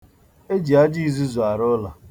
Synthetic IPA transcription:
e˦d͡ʒi˨a˦d͡ʒi˦zu˦zu˨a˨ɾʊ˦la˨

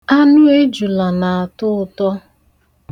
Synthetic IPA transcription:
a˦nʊ˦e˦d͡ʒu˨la˨na˨a˨tʊ˦ʊ˨tɔ˦

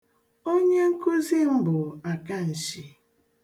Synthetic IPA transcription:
o˦ɲe˦ŋ̩˦ku˦zi˦m̩˦bʊ˨a˨ka˦n̩˨ʃi˨

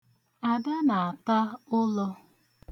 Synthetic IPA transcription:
a˨da˦na˨a˨ta˦ʊ˦lɔ˦

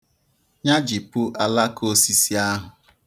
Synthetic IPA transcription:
ɲa˦d͡ʒi˨pu˦ʔa˦la˦kʰo˦si˦si˦a˦ɦʊ˨

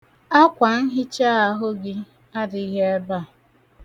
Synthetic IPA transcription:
a˦kʷa˨n̩˦ɦɪ˦t͡ʃa˦a˦ɦʊ˦ɡɪ˦ | a˦dɪ˨i˦ɦe˦e˦ba˦˨

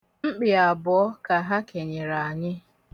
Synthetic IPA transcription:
m̩˦k͡pɪ˨a˨bɔ˨˦ɔ˦ka˨ɦa˦ke˨ɲɪ˨ɾa˨a˨ɲɪ˦

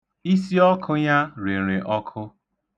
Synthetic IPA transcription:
i˦si˦ɔ˦kʰʊ˦ɲa˦ɾi˨ɾe˨ʔɔ˦kʰʊ˦

